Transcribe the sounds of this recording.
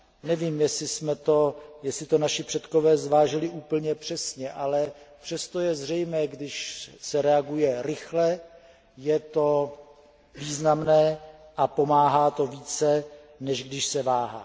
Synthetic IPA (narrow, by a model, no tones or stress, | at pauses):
nɛviːmjɛsɪsmɛt̪o̞jɛsɪt̪onaʃɪpr̝̥ɛt̪ko̞vɛːzvaːʒɪlɪʔuːpl̩ɲɛpr̥ɛsɲɛʔalɛpr̝̥ɛst̪ojɛzr̝ɛjmɛːɡdɪʃsɛɾɛaɡujɛɾɪxlɛ | jɛt̪o̞ | viːznamnɛːʔapo̞maːɦaːt̪o̞viːt͡sɛnɛʒɡdɪʃsɛvaːɦa̰ː